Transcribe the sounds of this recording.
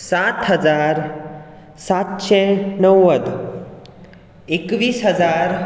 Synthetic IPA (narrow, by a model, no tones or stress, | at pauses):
sat̪ɦəd͡zaɾ | sat̪ɕɛ̃nəwːəd̪ | ekʋiːsɦəd͡zaɾ